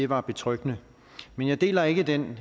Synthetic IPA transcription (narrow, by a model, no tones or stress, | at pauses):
e̝ʋɑ̈b̥e̝t͡sʰʁœɡ̥nə | menjɑ̈ɪd̥e̝̰ːlɐe̝ɡ̥əd̥en